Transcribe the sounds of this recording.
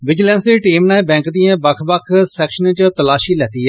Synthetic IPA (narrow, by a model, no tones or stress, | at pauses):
ʋɪd͡ʒlɛ̃ːnsd̪eːʈiːmnɛ̃ːbɛ̃ːŋkd̪iːãːbəkʰbəkʰsɛːkʃənt͡ʃt̪əlaːʃiːlɛːt̪iːɦɛː